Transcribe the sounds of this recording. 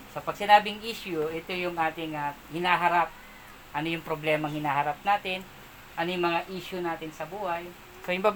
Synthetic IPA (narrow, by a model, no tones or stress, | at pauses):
sɐpɐɡ̚sɪnaːbɪŋʔiːʃʊʔɛt̪ojʊŋʔaːt̪ɪŋahɪnaːɦɐɾap̚ | ʔɐnojʊŋpɾoblɛːmɐŋhɪnaːhɐɾap̚naːt̪ɪn | ʔɐnojʊŋmɐŋaʔiːʃʊnaːt̪ɪnsɐbuːhɐj | sojɪŋbab